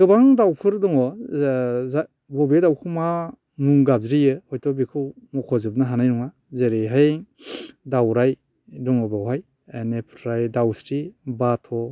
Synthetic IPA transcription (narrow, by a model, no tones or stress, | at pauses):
ɡɯbaŋdawpʰɯɾdɔŋɔ | za | bɔbedawkʰɯma | nuŋɡab̚zɾijɯhɔjtʰɔbikʰɯwmɔkʰɔzɯp̚nɯɦanajnuŋa | zeɾejɦaj | dawɾaj | dɔŋɔbawɦaj | enepʰɾajdawsɾibatʰɔ